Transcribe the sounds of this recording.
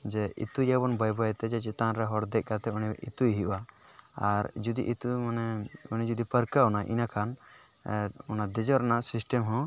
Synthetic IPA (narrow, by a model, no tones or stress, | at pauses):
d͡ʒɛʔḭt̪ujabɔnbajbɔjɛt̪ɛd͡ʒɛt͡ʃɛt̪anɾɛɦɔɽd̪ɛʔ̚ˀkat̪ɛuniḭt̪uiɦiʔwaaɾd͡ʒud̪ḭʔit̪umanɛunid͡ʒud̪ipəɾkaɔnaʔḭnakʰan | ɔnad̪ɛd͡ʒɔɾnaʔsisʈəmɦɔ̃